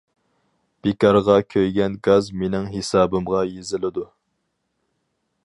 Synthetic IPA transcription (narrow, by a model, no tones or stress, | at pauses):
b̥ekɑɾʁɑkʲʰøjɡʲɛnɡɑzmenɪŋɦesɑːbɨmʁɑjezɪlɪd̪u